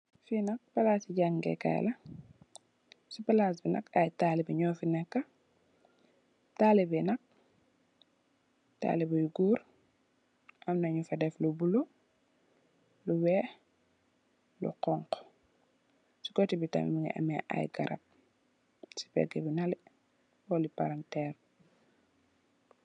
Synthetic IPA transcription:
finɐk̚pɐlasiɟaŋɡɛ̰kːa̰jlɐ | sipɐlaːsbinɐ̰kɐjtaːlibiɲɔːfinɛkːɐ | taːlibinɐk̚ | ta̰ːlibɐjuɡuːɾ | ʔɐmnɐɲufɐdɛflubulu | luwɛː | lṵqɔŋq | si̥kɔtibitɐ̰mḭmiŋɡɐ̰ʔɐ̰mɛʔɐ̰jɡɐɾɐ̰p̚ | si̥pɛ̰ɡɛbinɐli | wɔlipa̰ɾɐntɛːr

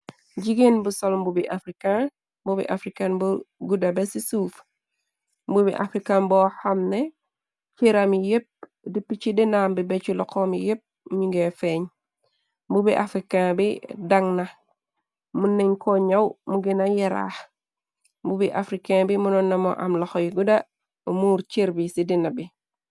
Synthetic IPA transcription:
ɟiɡenbusolmbubiʔafɾikã | mbubḭʔafɾikanbuɡudabesisuːf | mbubḭʔa̰fɾikanbohamne | t͡ʃeɾamijep̚ | dipit͡ʃidenaːmbibet͡ʃulɔkomijep̚ | ɲiŋɡefeɲ | mbubiʔafɾikabidaŋna | munːeɲkoɲawmuɡinajeɾa̰ːh | mbubiʔafɾikãbimunɔnːamo̰ʔa̰mlɔxojɡuda | muɾt͡ʃeɾbisidinabi

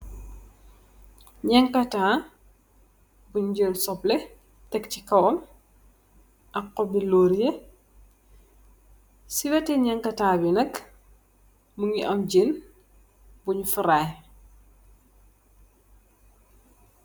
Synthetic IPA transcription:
ɲɛŋkɐtaː | buɲd͡ʒəlsɔplɛ | tɛkcikɐwɔm | ʔɐkːɔbiloːɾje | siwɐtɛɲɛŋkɐtaːbinɐk | muŋiʔɐmd͡ʒin | buɲfuɾaj

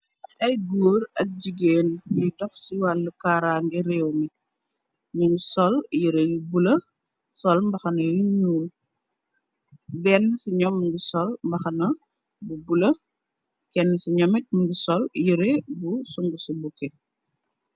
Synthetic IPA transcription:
ɐjɡuːɾɐk̚d͡ʒiɡeːnjutɔfsiwalːukaːɾaːŋɡɛɾɛːwni | muŋɡusɔljuɾejubulɐ | sɔlmbɐxɐnɐjunuːl | bɛnːsiɲɔmːŋɡisɔlmbɐxɐnɐ | bubulɐ | kɛnːəsiɲɔmɛt̚muŋɡusɔljuɾebusuŋɡusubukɛ

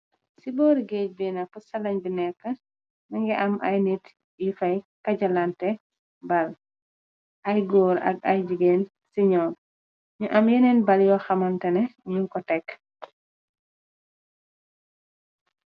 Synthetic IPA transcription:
sibɔːɾiɡeːc̚bɛnapusɐlɐɲbinɛkːə | naŋɡɛʔɐmʔajnit | jifɐjkɐɟɐlantɛ | bɐl | ʔajɡɔːɾɐ̰ɡ̚ɐjd͡ʒiɡeːn | siɲɔːn | ɲuʔɐmjɛnɛnbɐljɔxɐmantɛnɛɲuŋkɔtɛk

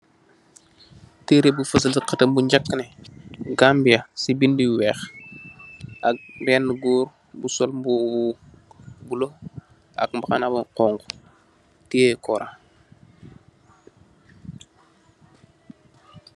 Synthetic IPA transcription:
teɾebufəs̬əlsiqətəmbuɲd͡ʒakːəneɡambijasibindiweːx | ak̚benːɡuːɾ | busolmbubu | bulo | a̰kmbakanabuqoŋɡu | tiekoɾʔa̰

